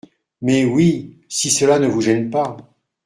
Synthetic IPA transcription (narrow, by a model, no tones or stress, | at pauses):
mɛwi | sisəlanəvuʒɛnpa